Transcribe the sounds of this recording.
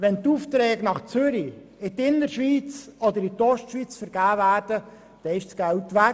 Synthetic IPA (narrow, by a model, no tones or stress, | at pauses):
ʋɛnt̪uːft̪ɾɛːɡnɑχt͡sʏɾi | ɪt̪ɪnəɾʃʋiːt͡sɔd̪əɾɪt̪ɔʃtʃʋiːt͡sfəɾɡ̥æːvæːɾd̥ə | d̥ɛɪʃsɡ̥æltʋæ